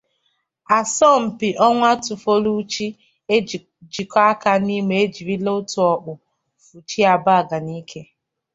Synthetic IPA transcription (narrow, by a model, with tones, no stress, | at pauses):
a˨sɔ˦˨m̩˨pi˨ʔɔ˦ŋʷa˦tʊ˨fo˦lu˦t͡ʃi˦˨ | d͡ʒi˨ka˦a˦ka˨ni˦me˨e˦d͡ʒi˨ɾi˦lo˦tʊ˨ɔ˨k͡pʊ˨ | fu˨t͡ʃi˦a˨ba˦˨ɡa˨ni˦kʰe˦